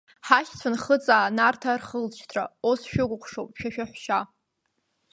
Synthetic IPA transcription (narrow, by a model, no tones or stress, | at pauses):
ħaχʲt͡sʷʰanχət͡sʼaːnartʰarχəlt͡ʃʰtʰraosʃᶣʊɡʷʼʊqʷʂowpʼʃᶣaʃᶣaħʷʃa